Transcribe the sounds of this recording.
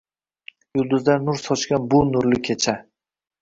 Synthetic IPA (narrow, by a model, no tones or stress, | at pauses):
jʊlˠd̪ʊzd̪annʊɾsɒt͡ʃkʲanbʊnʊɾlɪkʲʰet͡ʃʰa